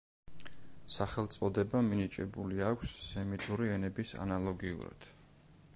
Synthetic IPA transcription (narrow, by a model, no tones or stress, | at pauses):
saχɛlˠt̪sʼɔd̪ɛbaminit͡ʃʼɛbuliakʷʰsːɛmit̪ʼuɾiɛnɛbisa̰nalˠɔɡiṵɾa̰d̪̥